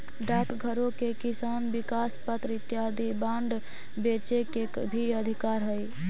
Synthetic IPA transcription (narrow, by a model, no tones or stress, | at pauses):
ɖakɡʱəɾõkekisaːnbikaːspət̪ɾɪt̪jad̪ibãɳɖ | bet͡ʃeke | bʱiəd̪ʱikaːɾɦəj